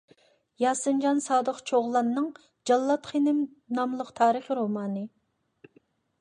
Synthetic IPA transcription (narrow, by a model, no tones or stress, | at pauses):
jɑːsɨnd͡ʒɑnsɑːd̪əqt͡ʃʰoʁlˠɑnːɨŋ | d͡ʒɑlˠːɑt̪χʰenɪm | nɑmlˠəqt̪ʰɑːɾəχɾomɑːnɨ